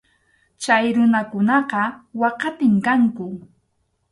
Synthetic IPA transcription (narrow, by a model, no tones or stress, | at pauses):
t͡ʃajɾʊnakʊnɑqɑwɑqɑt̪ɪmkaŋkʊ